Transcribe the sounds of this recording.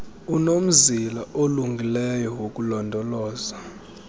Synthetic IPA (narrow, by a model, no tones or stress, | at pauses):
unom̩zilaʔoluŋɡʱilɛjɔwokʼulɔndʱɔlɔːza